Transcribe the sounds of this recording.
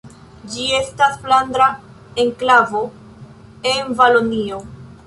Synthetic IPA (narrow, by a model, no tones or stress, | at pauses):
d͡ʒie̞staspland̪ɾa | e̞ŋklavo̞ | e̞nvalonio̞